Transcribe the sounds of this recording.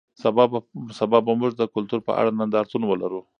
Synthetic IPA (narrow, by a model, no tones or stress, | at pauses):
sabɑbsabɑbamʊʒd̪əkʊlt̪uɾpə̰ʔa̰ɽanand̪ɑɾt̪unwəlaɾu